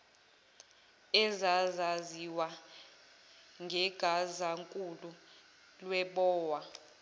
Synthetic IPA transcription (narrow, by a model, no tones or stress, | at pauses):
ɛzazaziwa | ŋɡʱɛɡ̥ʱazaŋkʼulu | lwɛɓɔːwa